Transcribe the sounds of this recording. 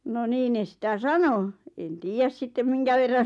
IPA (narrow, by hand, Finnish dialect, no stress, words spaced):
no niː ne sĭtæ sɑno en tiːjæs sitːem miŋkæ ʋerːɑn̞